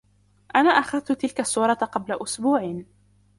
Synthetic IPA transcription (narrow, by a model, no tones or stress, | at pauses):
ʔanaːʔaxɑðt̪ʊt̪ɪlkasˤːuːɾˤɑqɑblaʔʊsbuːʕ